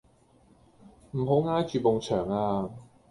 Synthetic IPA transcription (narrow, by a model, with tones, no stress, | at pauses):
m̩˨˩ɦo˨˥wŋaː˥jt͡ʃyː˨˩po˨˧ŋt͡ʃʰœː˨˩ŋaː˧